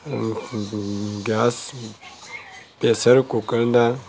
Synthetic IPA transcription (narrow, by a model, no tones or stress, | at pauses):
ɡas | pesəɾkokəlnda